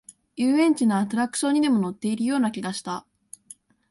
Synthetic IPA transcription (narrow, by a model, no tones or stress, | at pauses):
jɯːẽ̞ɲ̟t͡ɕinoːt̪oɾakɯ̟̥ɕõ̞ɲ̟ːid̪e̞mo̞no̞t̪ːe̞iɾɯ̟jo̞ːnakʲiɡaɕi̥t̪a